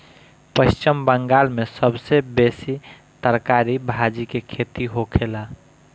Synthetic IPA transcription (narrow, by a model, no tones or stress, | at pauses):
pəʃt͡ʃimbəŋɡalmesəbsebesi | t̪əɾkaɾibʱad͡ʒikekʰet̪iɦokʰela